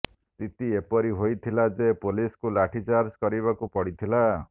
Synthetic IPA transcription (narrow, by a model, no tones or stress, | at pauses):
st̪ʰit̪iepɔɾiɦojt̪ʰilad͡ʒepoliskulaʈʰit͡ʃaɾd͡ʒkɔɾiβakupɔɽit̪ʰila